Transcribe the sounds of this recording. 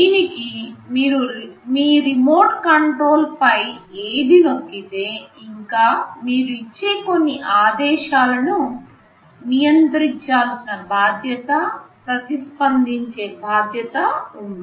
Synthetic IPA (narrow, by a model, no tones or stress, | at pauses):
d̪iːnikimiːɾumiːɾimo̞ːɾʈkɐɳʈɾo̞ːlpɐjeːd̪ino̞kːit̪e̞ːiŋkaːmiːɾuit͡ʃːeːko̞nːiʔaːd̪ɛːʃaːlɐnu | nijɐnt̪ɾiɲt͡ʃaːlsinɐbʱaːd̪ʱjɐt̪ɐpɾɐt̪ispɐnd̪iɲt͡ʃe̞ːbʱaːd̪ʱjɐt̪ɐund̪i